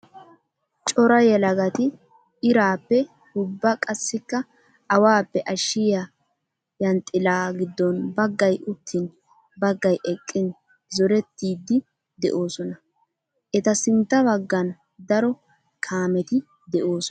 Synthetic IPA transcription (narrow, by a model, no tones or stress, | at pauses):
t͡ʃʼɔɾɐjɛlɐɡɐt̪ɪ | ɪɾaːpːɛ | hʊbːɐkʼɐsːɪkːɐ | ɐwaːpːɛʔɐʃːɪja | jɐnt̪ʼːɪlaːɡɪd̪ːɔnbɐɡːɐjʊt̪ʰːɪn | bɐɡːɐjʔɛkʼːɪn | zɔɾɛt̪ːiːd̪ːɪ | d̪ɛ̰ʔo̞ːsɔnɐ | ʔɛt̪ɐsɪnt̪ːɐbɐɡːɐn | d̪ɐɾɔ | kʰaːmɛt̪ɪ | d̪ɛʔoːsɔ